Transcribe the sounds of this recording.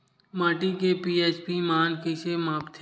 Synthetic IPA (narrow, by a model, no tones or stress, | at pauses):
mãːʈikepiːeːt͡ʃpimaːnkit͡ʃemaːpt̪ʰ